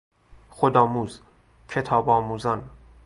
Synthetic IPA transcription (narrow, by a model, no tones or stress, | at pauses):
xod̪ɒːmuːz | cʰe̞t̪ʰɒːbɒːmuːzɒn